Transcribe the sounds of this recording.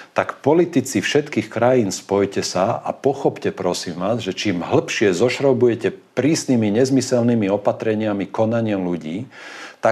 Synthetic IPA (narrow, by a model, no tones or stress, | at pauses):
t̪akpɔlit̪it͡sifʃɛt̪kiːxkɾajiːnspɔjcɛsaa̰pɔxɔpcɛpɾɔsiːmʋaːzʒɛt͡ʃiːmɦl̩pʃɪɛzɔʃɾɔbujɛcɛpɾiːsnimiɲɛzmisɛlnimiɔpat̪ɾɛɲɪamikɔnaɲɪamluɟiːt̪a